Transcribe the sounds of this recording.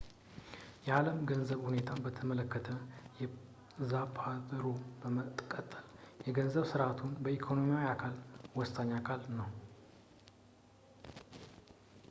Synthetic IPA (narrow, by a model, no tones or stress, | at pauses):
jɛaləmɡənzəβhune̞t̪ʰabət̪ʰəmələkːət̪ʰəjɛ | zapʰad̪ɾobəmət̪ʼkʼət̪ʼːəljɛɡənzəβsɨɾʔat̪ʰunbəikʰo̞no̞miawiakʰalwɔst̪ʰaɲːakʰalnəw